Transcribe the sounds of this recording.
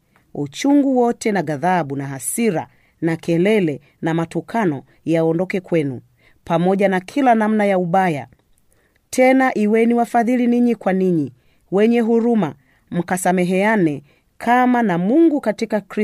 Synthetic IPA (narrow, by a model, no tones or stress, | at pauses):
ut͡ʃuŋɡuwɔtʰɛnaɡaðaɓunaɦasiɾa̰ | nakʰɛlɛlɛ | namatukʰanɔ | jaɔndɔkɛkwɛnṵ | pamɔʄanakʰilanam̩najauɓaja̰ | tʰɛnaʔiwɛniwafaðiliniɲikwaniɲi | wɛɲɛɦuɾuma | m̩kasamɛɦɛanɛ | kʰamanamuŋɡukatikakɾi